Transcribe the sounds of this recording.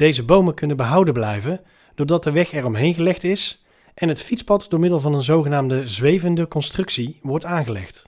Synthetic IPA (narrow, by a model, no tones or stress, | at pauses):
d̥ejzəbowməkɵnənbəɦɑwdəblɛjvən | d̥ʊːɹdɑt̚dəʋɛχɛrɔmɦejnɣəlɛχtɪs | ʔɛnɦətfitspɑtdʊːɹmɪdəlˠvɑnənzowχənaːmdəzʋejvəndəkɔnstrɵksiʋɔɹtaːnɣəlɛ̰χt